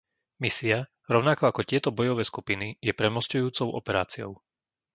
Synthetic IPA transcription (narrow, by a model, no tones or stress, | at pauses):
misia | ɾɔʊnakɔakɔcɪɛt̪ɔbɔjɔʋɛːskupinijɛpɾɛmɔscujuːt͡sɔʊʔɔ̰pɛɾaːt͡siɔ̰ʊ